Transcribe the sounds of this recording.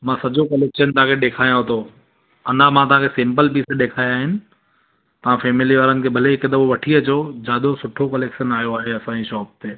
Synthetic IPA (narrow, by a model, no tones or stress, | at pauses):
mãːsɐʄokɐleːkʃənt̪ɐɦãkʰeɗeːkʰaːjãɦot̪ʰo | ɐ̃nd̪amãt̪̬ɐʋãːkʰesɪ̃mpəlpiːseɗeːkʰaːjaːɦɪnɪ̆ | t̪ɐʋ̤ãfɛːmɪliʋaːɾənɪ̆kʰeːbʱɐleɦɪkd̪ɐʋoʋɐʈʰiɐt͡ɕoːd͡ʑaːd̪osʊʈʰokɐleːkʃənaːjoaːɦeɐsãːd͡ʑiʃɔːp̚t̪eː